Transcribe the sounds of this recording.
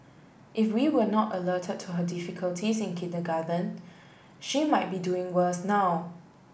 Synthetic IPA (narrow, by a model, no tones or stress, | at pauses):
ʔɪfwiwənɔtələtʰəd̚tʰuɦədɪfikʰəltʰisɪ̃nkʰɪndəɡadə̃n | ʃimaɪt̚biduɪ̃ŋwəsnaw